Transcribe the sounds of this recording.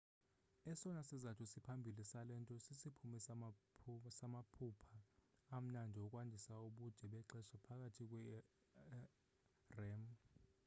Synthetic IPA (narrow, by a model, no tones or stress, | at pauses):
ɛsɔnasizatʰusipʰambʱilisalɛntʼɔsisipʰumɛs | samapʰupʰaːm̩nandʱiɔkʼwandʱisauɓud̥ʱɛɓɛǁɛsapʰak̬ʼatʰik̬ʼwɛ | rɛm